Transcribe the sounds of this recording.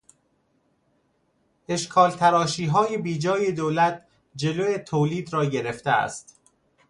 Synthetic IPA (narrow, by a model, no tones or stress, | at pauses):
ʔe̞ʃkʰɒːlt̪ʰæɾɒːʃiːɦɒːjebiːd͡ʒɒːje̞d̪oːlæt̪̚ʰ | d͡ʒe̞loet̪ʰoːliːd̪ɾɒːɟe̞ɾe̞ft̪eæ̰st̪